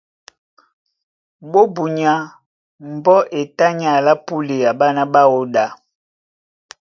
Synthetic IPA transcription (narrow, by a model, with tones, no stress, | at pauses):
ɓo˦bu˨ɲa˨˦ | m̩˨bɔ˦ʔe˨ta˦ɲa˨la˦pu˦li˨a˨ɓa˦na˦ɓa˦o˦da˨